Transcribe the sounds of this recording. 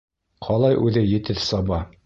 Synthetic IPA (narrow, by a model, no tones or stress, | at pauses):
qʰɒlˠɑjʔʉðɘjɘ̆t̪ɘðsɑbɑ